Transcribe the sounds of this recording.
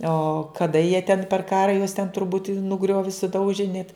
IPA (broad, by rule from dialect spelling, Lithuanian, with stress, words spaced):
oː kɐˈdɐ jiɛ tʲɛn pʲɛr ˈkɑːrɐ juɔs tʲɛn tʊrˈbuːtʲ nʊˈɡrʲoːʋʲɪ sʊˈdɐʊʒʲɪ nʲɛt